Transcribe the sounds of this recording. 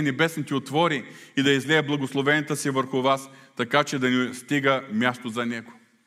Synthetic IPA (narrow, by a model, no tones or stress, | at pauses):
ɛnɛbɛsnit̪ɛot̪vɔɾiid̪ɐizlɛəblˠɐɡoslˠovɛniət̪əsivəɾxʊvast̪ɐkat͡ʃɛd̪ɐnɛst̪iɡəmʲjast̪ozɐnɛɡo̥